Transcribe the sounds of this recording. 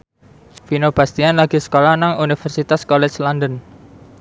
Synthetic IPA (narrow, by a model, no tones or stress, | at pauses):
finob̥ast̪ianlaɡ̥isə̥kolanaŋunifɛrsit̪askɔlɛt͡ʃlandən